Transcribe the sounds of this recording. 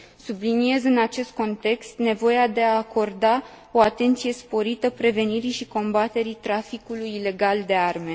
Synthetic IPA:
sublinie̞zɨnat͡ʃe̞st̪̚ko̞nt̪e̞kst̪ne̞vo̞jead̪e̞aːko̞rd̪a | o̞at̪e̞nt̪sije̞spo̞ɾit̪əpɾe̞ve̞niɾiʃiko̞mbat̪e̞ɾit̪ɾafikulujːle̞ɡald̪e̞arme̞

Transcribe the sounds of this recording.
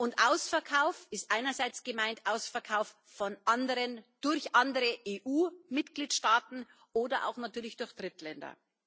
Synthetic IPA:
ʔʊntʔaʊsfɛɐkʰaʊfɪstʔaɪnɐzaɪt͡sɡ̥əmaɪntʔaʊsfɛɐkʰaʊf | fɔnʔandəʁənd̥ʊɐçʔandəʁəʔeːʔuːmɪtɡ̥liːtʃtaːtn̩ | ʔoːdɐʔa̰ʊxnatyːɐlɪçd̥ʊɐçd̥ʁɪtlɛndɐ̰

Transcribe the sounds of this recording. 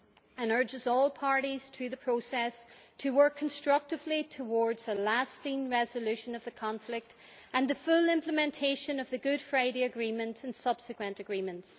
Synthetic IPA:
ə̃nɜ˞d͡ʒɪzɔlˠpʰaɹɾiz̥θɹʉðəpʰɹ̥osɛstʰəwɜ˞kʰːə̃n̩stɹ̥ʌk̚tɨvlitʰəwɔɹdz̥ðəlastɪ̃ŋɹɛzəlʉʃə̃nʌvðəkʰɑ̃ɱflɪk̚t | ə̃nðəfʊlˠɪ̃mpləmɛ̃ntʰeɪʃə̃nʌvðɨɡʊd̥fɹaɪɾeɨɡɹĩmə̃ntɨ̃nsʌb̥sɨkwə̃ntɨɡɹĩmə̃nts

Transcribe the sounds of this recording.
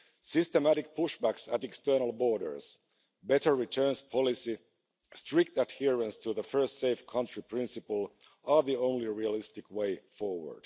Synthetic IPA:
sɪstəmæɾɪk̚pʰʊʃbæksætɛkstɜ˞nəl̩ˠbɔɹɾə̰˞s | bɛtə˞ɹitʰɜ˞nspʰɑlˠɪsi | stɹ̥ɪk̚tædhiəɹə̃nstʰuðəfɜ˞stseɪfkʰʌ̃ntɹ̥ipʰɹ̥ɪ̃nsɨpəl̩ˠ | ə˞ðiõʊ̃nliɹialɪstɪkweɪfɔɹwə̰˞d̥

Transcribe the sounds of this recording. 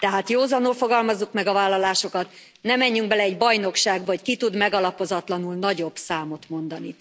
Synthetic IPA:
t̪ɛɦaːt̪joːzɒnulfoɡɒlmɒzːukmɛɡɒvaːlːɒlaːʃo̞kɒt̪ | nɛmɛɲːyŋk̚bɛlɛɛɟbɒjno̞kʃaːɡbɒckit̪ud̪mɛɡɒlɒpo̞zɒt̪lɒnulnɒɟo̞bsaːmo̞t̪mo̞nd̪ɒni

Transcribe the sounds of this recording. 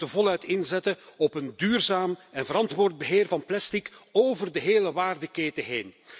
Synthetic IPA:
dəvɔlˠœɥtɪnzɛtəɔpəndyːrzaːmɛnvəɾɑntʋʊːrd̚bəɦeːrvɑnplɛstikoːvərdəɦeːləʋaːrdəkeːtəɦeːn

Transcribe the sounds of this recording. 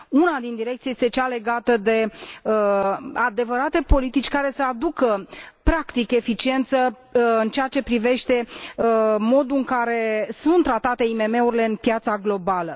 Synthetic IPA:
unad̪ind̪iɾekt̪sijest̪e̞t͡ʃale̞ɡat̪əd̪e̞ | ad̪e̞vəɾat̪e̞po̞lit̪it͡ʃʲkaɾe̞səad̪ukəpɾakt̪ike̞fit͡ʃie̞nt̪sə | ɨnt͡ʃeat͡ʃe̞pɾive̞ʃt̪e̞ | mo̞d̪uɨŋkaɾe̞sunt̪ːɾat̪at̪e̞ime̞me̞uɾile̞ɨnpijat̪saɡlo̞balə

